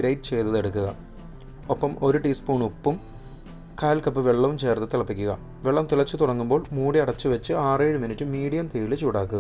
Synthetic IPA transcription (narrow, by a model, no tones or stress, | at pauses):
ɾɐjʈːɨt͡ɕe̞jt̪ːɐðeɽukːuɣɐ | opːɐmo̞ɾuʈiːspuːɳupːum | kaːlkɐpːɨʋeɭːɐʋumt͡ɕe̞ːrt̪ɐt̪iɭɐpːikʲːuɣɐ̰ | ʋeɭːɐʋmnt̪iɭɐt͡ɕːɨt̪uɽɐŋːumbo̞ːɭmuːɽiɐɽɐt͡ɕːɨʋɐt͡ɕːɨaːreːɻɨminitːɨmiːɽijɐmt̪iːilet͡ɕːuːɽaːkːuɣɐ